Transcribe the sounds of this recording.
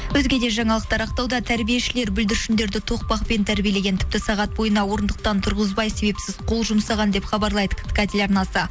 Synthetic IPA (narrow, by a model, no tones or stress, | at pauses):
wɵzɡʲe̞d̪e̞ʒɑɴɑlˠəq̚t̪ɑɾɑq̚t̪ɑwd̪ɑt̪ʰæɾbije̞ʃɪle̞ɾbʏld̪ɪɾʃɪnd̪e̞ɾd̪ɪt̪ʰo̞q̚pɑqpe̞nt̪ʰæɾbʲijele̞ɡʲe̞nt̪ʰɪ̥pt̪ɪsɑʁɑt̪̚bo̞jənɑwo̞ɾənd̪əq̚t̪ɑnt̪ʰʊɾʁəzbɑjse̞be̞psɪz̥qʰo̞lˠʒʊmsɑʁɑnd̪e̞pχɑbɑɾlˠɑjd̪əkʰʲt̪kʲæt̪elʲɑɾnɑsə